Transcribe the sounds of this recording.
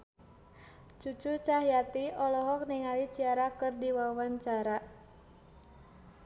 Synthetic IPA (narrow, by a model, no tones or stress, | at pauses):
t͡ʃut͡ʃut͡ʃaɦjat̪iɔlɔɦɔk̚niŋalit͡ʃiaɾakɨrdiwawaɲt͡ʃaɾa